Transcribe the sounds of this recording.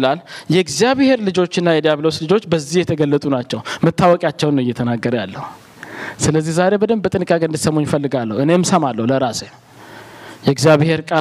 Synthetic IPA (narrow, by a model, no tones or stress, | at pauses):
laljɛɡzijaβheɾlɨd͡ʒo̞t͡ʃːɪnːajɛd̪ijaβlo̞slɨd͡ʒo̞t͡ʃːbəzːihjɛt̪ʰəɡəlːət̪ʼunat͡ʃːɛwmət̪ʰːawɔkʼjat͡ʃːɛwnːəwɪjːɛt̪ʰənaɡːəɾjalːəhu | sɨləzːihzaɾe̞bəd̪əmbət̪ʼɨnkʼaɡənd̪ɨsəmoɲːfəlːɨɡalːəhwʔɨne̞msəmalːəwuləɾasem | jɛɡzjaβhe̞ɾkʼa